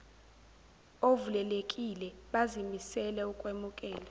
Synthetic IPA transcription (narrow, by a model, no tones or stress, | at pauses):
ovulɛlekʼilɛɓazimisɛlɛukʼwemukʼɛːla